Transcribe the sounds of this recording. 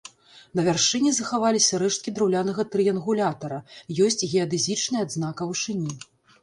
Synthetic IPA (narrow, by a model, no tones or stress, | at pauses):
nɐvʲarʂɨnʲɛzɐxavalʲisʲɐɾɛʂt̪̚kʲid̪ɾawlʲanɐɣɐt̪ɾɨjɐnɣulʲat̪ɐɾɐjɔsʲt͡sʲɣʲɛɐd̪ɨzʲit͡ʂnɐjɐad̪znakɐwʂɨnʲi